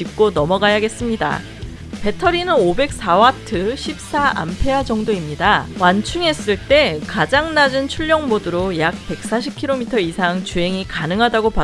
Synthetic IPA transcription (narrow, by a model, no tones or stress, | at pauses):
ip̚k͈onʌmʌɡajaɡe̞s͈ɯmɲida̰ | pe̞tʰʌɾinɯnobe̞k̚s͈awatʰɯɕʰip̚s͈aa̰mpʰe̞ad͡ʑʌŋdoimɲidawant͡ɕʰuŋe̞s͈ɯɭt͈e̞kad͡ʑaŋnad͡ʑɯnt͡ɕʰuʎːʌŋmodɯɾojak̚pe̞k̚s͈aɕʰip̚kʰiɾomitʰʌisʰaŋt͡ɕuɦe̞ŋikanɯŋɦadaɡopa